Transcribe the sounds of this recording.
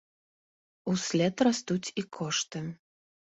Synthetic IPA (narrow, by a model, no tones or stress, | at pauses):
usʲlʲɛt̪rast̪ut͡sʲikʰɔʂt̪ɨ